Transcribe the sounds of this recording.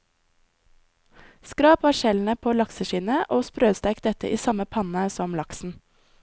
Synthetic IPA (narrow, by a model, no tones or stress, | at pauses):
skɾɑːpɑːʃɛln̩əpʰoːlɑksəʃiːnəʔoːspɾøːst̪æɪkd̪ɛt̪ə̰ʔiːsɑməpʰɑnəsɔmlɑksn̩